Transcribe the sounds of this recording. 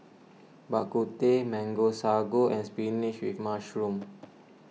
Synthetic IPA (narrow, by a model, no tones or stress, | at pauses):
baʔkut̪emɛ̃ŋɡosaɡoʔɛ̃nspiniʃwifmaʃɹũm